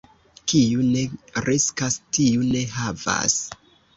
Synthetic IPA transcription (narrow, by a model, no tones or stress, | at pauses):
kiune̞ɾʔeskastiune̞ɦava̰s